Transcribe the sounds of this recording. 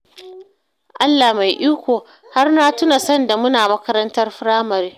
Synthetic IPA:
ʔa˦lːaː˨hma˨jʔiː˦kʷoː˨ | ha˦rnaː˦tʊ˦na˨sɔ˦nda˨mʊ˦naː˨mɐ˦kɐ˦ɾɐ˦ntɐ˦rɸʊ˦ɽaː˦mɐ˨ɾeː˦

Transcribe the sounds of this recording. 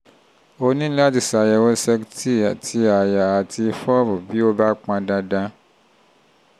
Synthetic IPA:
o˧nĩ˦la˦ti˨sa˨jɛ˧wɔ̃˦sɛ˧ktʰi˦˨a˨tʰi˧a˨ja˨a˨ti˧fɔ˦˨ɾu˨bi˨˦o˦ba˦k͡pã˧dã˧dã˧

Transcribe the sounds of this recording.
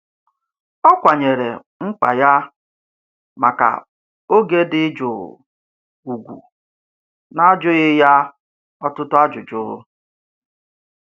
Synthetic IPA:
ɔ˦kʷa˨ɲe˨ɾḛ˨ | ŋ͡m̩˦k͡pa̰˨ja˦ | ma˨ka̰˨ | o˦ɡe˦dɪ˦d͡ʒo̰˨ | u˨ɡʷṵ˨ | na˦d͡ʒʊ˦ɣɪ˦ja˦ | ɔ˦tʊ˦tʊ˦a˦d͡ʒʊ˨d͡ʒʊ˦ɾʊ̰˦

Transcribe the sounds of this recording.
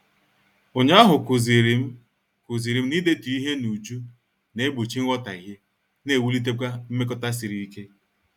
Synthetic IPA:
o˨ɲa˦a˦ɦʊ˨kʊ˨zi˨ɾi˨m̩˦ | ku˨zi˨ɾi˨m̩˦ni˦de˦tu˨i˦ɦe˦nu˨d͡ʒu˦ | ne˨˦bo˨t͡ʃi˦ŋ̩˦ɔ˦ta˨i˨ɦe˦ | ne˨wu˦li˦t̬e˦kʷa˦m̩˦me˦k̬ɔ˦ta˦si˨ɾi˨i˦ke˦

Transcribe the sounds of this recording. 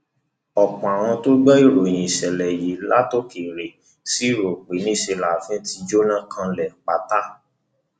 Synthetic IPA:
ɔ˨k͡pɔ̃˨a˨w̃ɔ̃˧to˦ɡ͡bɔ˦i˦˨ɾo˨nĩ˨ʃɛ˨lɛ˨ji˨˦la˦to˦ke˨ɾe˨˦ | si˦i˦˨ɾo˨k͡pe˨˦nĩ˦˨ʃe˧la˨fĩ˦ti˧d͡ʒo˦nã˦˨kʰã˧lɛ˨k͡pa˨ta˦

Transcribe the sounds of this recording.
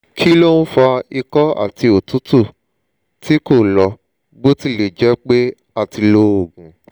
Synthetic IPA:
kʰi˦lo˦ñ̩˦fa˧i˧kɔ˦a̰˦˨ti˧o˨tu˦tu˦˨ | ti˦ko˦˨lɔ˧ | bo˦ti˦˨le˨d͡ʒɛ˨˦k͡pe˦ | a˦˨ti˧lo˦o˦˨ɡũ˨

